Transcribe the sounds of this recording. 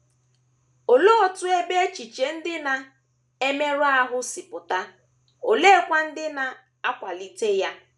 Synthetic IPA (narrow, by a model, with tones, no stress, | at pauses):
o˨lo˦ɔ˨tʊ˦e˦be˦e˦t͡ʃi˨t͡ʃe˨n̩˦dɪ˦na˨ | e˦me˦ɾʊ˦a˦ɦʊ˦sɪ˨pʊ˨ta˦ | o˨le˦kʷa˦n̩˦dɪ˦na˨ | a˦kʷa˨li˦te˦ja˦